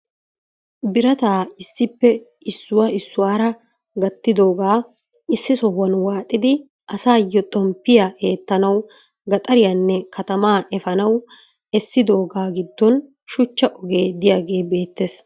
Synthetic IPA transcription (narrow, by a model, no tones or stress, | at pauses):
bɪɾɐt̪aːɪsːɪpːɛ | ɪsːʊwaɪsːʊwaːɾɐ | ɡɐt̪ːɪd̪o̞ːɡaː | ɪsːɪsɔhɐnwaːt̪ʼːɪd̪ɪ | ʔɐsaːjːɔt̪ʼɔmpːɪjaʔe̞ːt̪ːɐnɐw | ɡɐt̪ʼɐɾɪjɐnːɛkʰɐt̪ɐmaːʔɛfɐnɐw | ɛsːɪd̪o̞ːɡaːɡɪd̪ːɔn | ʃʊt͡ʃːɐʔɔɡe̞ːd̪ɪjaːɡe̞ːbe̞ːt̪ːes